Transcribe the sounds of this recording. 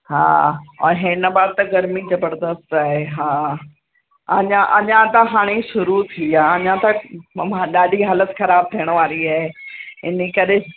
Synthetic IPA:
ha̰ːɔɦɪnəbaːɾt̪ɐɡɐɾmizɐbəɾd̪əst̪aːɦeɦaː | ɐɲãʔɐɲãt̪ɐɦaːɽ̃iʃʊɾut̪ʰiaːɐɲãt̪ɐaɗaːɗiɦaːlət̪xɐɾaːb̚t̪ʰijəɽ̃ʋaːɾiaːɦeɪnekɐɗe

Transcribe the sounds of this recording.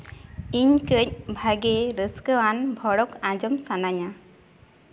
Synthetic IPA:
iɲkəc̚bʱaɡɛɾəskəwanbʱɔɽɔkãd͡ʒɔmsanaɲa

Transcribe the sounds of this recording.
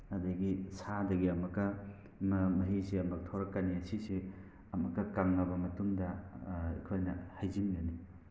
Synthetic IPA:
ɐdɐɡisadɐɡiɐmɐkːɐ | mɐmɐɦiziɐmɐk̚tʰoɾɐkːaniɐsisi | ɐmɐkːɐkaŋɐbɐmɐtuŋdɐḭkʰojnɐhajzinɡɐni

